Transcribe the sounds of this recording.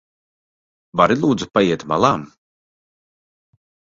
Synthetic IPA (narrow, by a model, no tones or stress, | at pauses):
vaɾilˠuːd̪zupajiɛt̪ma̰lˠaːm